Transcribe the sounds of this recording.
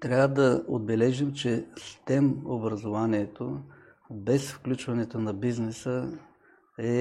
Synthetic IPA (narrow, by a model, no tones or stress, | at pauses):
t̪ɾʲavəd̪ɐo̰d̪̚bɛlɛʒimt͡ʃɛst̪ɛmobɾɐzovaniɛt̪o | bɛsfklʲut͡ʃvɐnɛt̪onɐbiznɛsə | ɛ